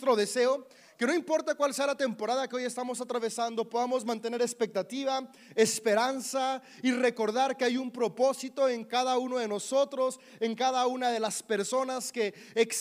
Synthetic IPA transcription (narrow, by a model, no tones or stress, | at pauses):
t̪ɾo̞ðe̞se̞o | ke̞no̞impo̞ɾt̪akwalse̞alat̪e̞mpo̞ɾaðakeo̞je̞st̪amo̞sat̪ɾaβe̞sand̪o̞po̞ðamo̞zmãnt̪e̞ne̞ɾe̞spe̞k̚t̪at̪iβa | espe̞ɾansa | ire̞ko̞ɾðaɾke̞ajumpɾo̞po̞sit̪o̞e̞ŋkaðauno̞ðe̞no̞so̞t̪ɾo̞s | eŋkaðaunað̞e̞laspe̞ɾso̞naske̞ː | ks